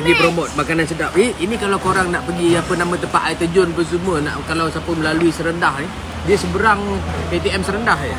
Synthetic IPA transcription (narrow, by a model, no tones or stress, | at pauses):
əɡipɾomot̪̚makanansədap̚iinikalawkoɾaŋnaʔpəɡiapənamãt̪əmpaʔajt̪əd͡ʒʊnpəs̬umənaʔkalawsapəməlaluisəɾəndahni | diəsəbəɾaŋket̪iɛmsəɾəndahə